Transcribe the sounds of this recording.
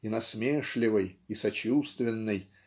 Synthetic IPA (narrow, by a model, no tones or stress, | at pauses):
inɐsmʲeʂlʲɪvɨjisɐt͡ɕust̪vʲɪnːɨj